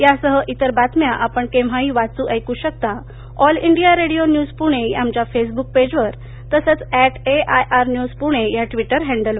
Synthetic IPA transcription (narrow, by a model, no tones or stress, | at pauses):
jasəɦəʔit̪əɾbat̪mjaʔapəɳkẽʋ̤aɦĩːʋat͡suːʔəjkuːɕək̚t̪a | ɔliɳɖijaɾeɽijonjuːd͡zpuɽ̃ejamt͡ɕafes̬buk̚ped͡ʑʋəɾ | t̪əsət͡sæʈeajʔaɾnjuːzpuɽ̃ejaʈʋiʈəɾɦɛ̃ɳɖəlʋə